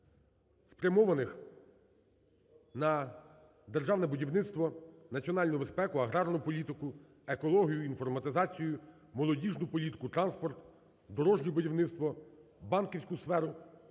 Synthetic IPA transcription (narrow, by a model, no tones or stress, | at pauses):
spɾʲjɐmɔʋɐnɪx | nɐ | d̪erʒɑwnɛbʊdʲiwnɪt̪st̪ʋɔnɐt͡sʲiɔnɑlʲnʊbe̞spɛkʊɐɦɾɑrnʊpɔlʲit̪ɪkʊ | ekɔlˠɔɦʲijʊinfɔrmɐt̪ɪzɑt͡sʲijʊ | mɔlˠɔdʲiʒnʊpɔlʲit̪ɪ̥kʊt̪ɾɑnspɔrt̪ | d̪ɔɾɔʒnʲʊbʊdʲiwnɪt̪st̪ʋɔbɑnkʲiwsʲkʊsfɛɾʊ